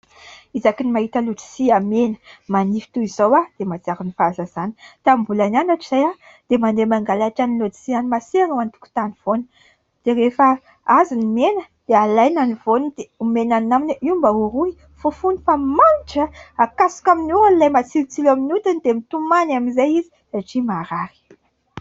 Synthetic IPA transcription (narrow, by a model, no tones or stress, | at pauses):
izakinimaɦit̪əluʈ͡ʂi̥siamenə̥manifi̥t̪uiz̥owad̪̥emat͡siaɾunifaazazani̥t̪ambulananaʈ͡ʂiz̥aja | d̪̥emand̪emaŋɡalaʈ͡ʂanilod͡zi̥sianimaseanuant̪u̥ku̥t̪aniv̥onə̥ | d̪̥eɾefə | azinimenə | d̪̥ealajnanivonəd̪eumenannaminʔimbəuɾui | fufunifamanʈ͡ʂəakasu̥kaminualilajmat͡silut͡silaminut̪und̪emit̪umanaminzajizi̥ | aʈ͡ʂimaɾaɾi̥